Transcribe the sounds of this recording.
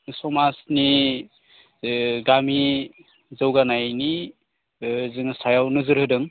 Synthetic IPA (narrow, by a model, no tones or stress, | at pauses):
sɔmasni | ɡami | zɯwɡanajni | zɯŋsajawnɯzɯɾɦɯdɯŋ